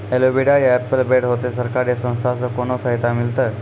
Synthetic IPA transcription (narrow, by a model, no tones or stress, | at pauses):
elobiɽajæpːəlbeɽɦot̪esəɾkaɾasə̃w̃st̪ʰasəkonosəɦit̪amilt̪ə